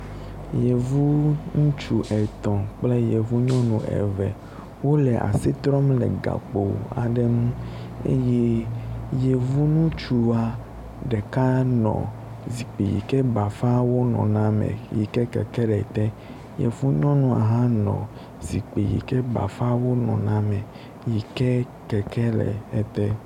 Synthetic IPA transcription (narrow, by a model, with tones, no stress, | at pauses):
je˨vu˦ŋũ˦t͡ʃu˨ʔɛ˨t̪ɔ̃˨k͡plɛ˦je˨vu˦ɲɔ̃˦nũ˨ʔɛ̰˨vɛ˨ | wo˦lɛ˨ʔa̰˨si˦t̪ɾɔ˦mlɛ̰˨ɡa̰˨k͡po˨a̰˨ɖɛ˦nũ˦ | ḛ˦jɛ˦je˨vu˦nũ˦t͡ʃu˨a˨ | ɖɛ˨ka˦nɔ̰̃˨ | zi˨k͡pe˨jḭ˨kɛ˦ba˨fa˦wo˦nɔ̰̃˨nã˦mɛ̰̃˨ji˨kɛ˦kɛ˨kɛ˦lɛ˨t̪ɛ˦ | jḛ˨fu˦ɲɔ̃˦nũ˨a̰˨ɦã˦nɔ̰̃˨ | zi˨k͡pe˨jḭ˨kɛ˦ba̰˨fa˦wo˦nɔ̰̃˨nã˦mɛ̃˨ | ji˨kɛ˦ | kɛ˨kɛ˦lɛ̰˨ɛ˨t̪ɛ˦